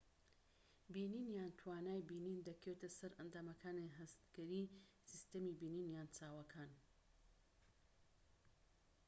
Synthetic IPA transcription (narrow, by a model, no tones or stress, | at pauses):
biːniːnjaːnt̪ʰwaːnaːjbiːnind̪ɐkʰet̪ɐsɐɾɐnd̪aːmɐkʰaːniɦɐst̪ɡ̥ɐɾisist̪ɐmibiːniːnjaːnt͡saːwɐkʰaːn